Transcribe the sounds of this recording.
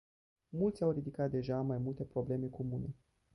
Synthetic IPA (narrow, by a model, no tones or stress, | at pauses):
mult̪sʲawɾid̪ikat̪̚d̪e̞ʒamajmult̪e̞pɾo̞ble̞me̞ko̞mune̞